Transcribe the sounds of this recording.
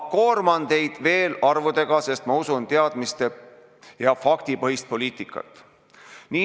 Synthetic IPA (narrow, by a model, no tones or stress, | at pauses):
ko̞ːrmɑnt̪e̞jd̪̥ve̞ːlɑrvud̪e̞ɡ̥ɑse̞st̪mɑusunt̪eɑd̪̥mist̪e̞ | jɑfɑkt̪ipɤɦist̪̚po̞liːt̪ˑikːˑɑ̰t̪ːˑ | niː